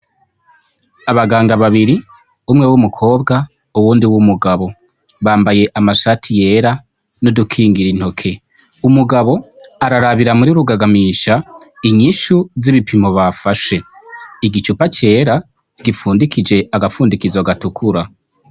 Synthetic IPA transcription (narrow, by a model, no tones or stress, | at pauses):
aβaɡaːŋɡaβaβiɾi | umŋewumukʰo̞ːbɡa | uwuːndiwumuɡaβo̞ | βaːmbaje̞ʔamaʃatʰije̞ːɾa | nodukʰiːŋɡiɾin̥ho̞kʰe̞ | umuɡaβo̞aɾaɾaβiɾamuɾiɾuɡaɡamiʃa | iɲiʃuziβipʰimo̞βafaʃe̞iɡit͡ʃupat͡ʃe̞ːɾa | ɡ̥ifuːndikid͡ʒe̞ʔaɡafuːndikizaɡatukʰuɾa